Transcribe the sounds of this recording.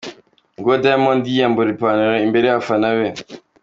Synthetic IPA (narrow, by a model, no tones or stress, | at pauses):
ŋɡodajmɔnd̪ijamboɾipaneɾaimbeɾejafanawe